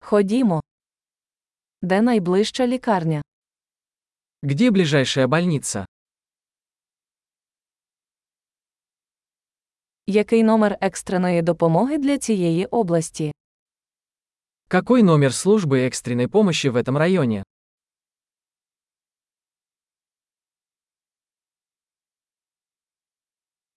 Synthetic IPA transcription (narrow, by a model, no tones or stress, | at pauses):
xɔdʲimɔ | d̪ɛnɐjblˠɪʃt͡ʃɐlʲikɑrnʲɐ | ɡdʲeblʲɪʐajʂəjəbɐlʲnʲit̪sə̰ | jɐkɪjnɔmɛrɛkst̪ɾenɔjid̪ɔpɔmɔɦɪd̪lʲɐt͡sʲijejiʔɔblˠɐsʲtʲi | kɐkɔjnomʲɪrslˠuʐbɨɛkst̪ɾʲɪnːəjpɔmɐɕːɪvɛt̪əmrɐjonʲɪ